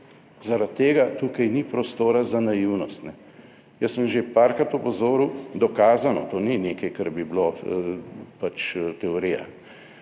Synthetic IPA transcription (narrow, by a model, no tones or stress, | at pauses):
zaɾat̪ːeːɡat̪uːkajnipɾɔst̪oːɾazanajiwnɔst̪nɛ | jəsːəmʒepaːɾkɾat̪ɔpɔzoːɾud̪ɔkaːzanɔt̪oːnineːkajkaɾbiblo | pat͡ʃt̪ɛoɾiːja̰